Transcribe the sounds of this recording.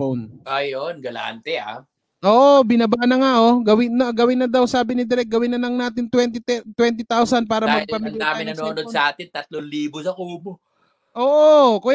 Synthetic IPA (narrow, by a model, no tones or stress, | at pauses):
onʔajonɡɐla̰ːnt̪ɛa̰ | ʔoːʔobɪnɐbanɐŋaʔoɡɐwɪnːɐɡɐwɪnːɐd̪awsaːbɪnɪd̪ɪɾɛk̚ɡɐwɪnːɐlɐŋnaːt̪ɪnt̪wɛnt̪ɪt̪ɛt̪wɛnt̪ɪt̪awsɐnpaːɾɐamɐɡ̚pɐmɪnaːɪnɐnoːnod̪̚sɐʔaːt̪ɪnt̪ɐt̪̚loliːbosɐʔuːbo | ʔoːʔokʊ